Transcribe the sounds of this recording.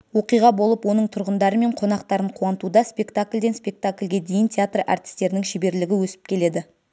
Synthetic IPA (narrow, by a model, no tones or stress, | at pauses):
wo̞qijʁɑbo̞lˠəpwo̞nəɴt̪ʰʊɾʁənd̪ɑɾəme̞ɴqʰo̞nɑqt̪ɑɾəɴqʰuɑnət̪ud̪ɑspʲe̞kt̪akʲlʲd̪e̞nspʲe̞k̚t̪akʲlʲɡʲe̞d̪e̞jɪnt̪ʲʰeat̪ra̰ɾt̪ʲɪ̥st̪e̞ɾɪnɪŋʃɪbe̞ɾlɪɡʲɪwɵsɪ̥p̚kʲʰe̞le̞d̪ɪ